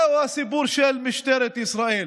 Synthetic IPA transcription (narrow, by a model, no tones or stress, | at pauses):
wasɪbuːɾʃeːlmɪʃt̪aɾˤɪt̪ʔɪsɾɑːʔiːl